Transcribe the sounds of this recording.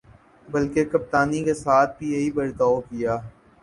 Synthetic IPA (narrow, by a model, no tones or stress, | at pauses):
bɐlkekɐp̚t̪aːnikesaːt̪̚ʰpiːeibɐɾt̪aːokɪjaː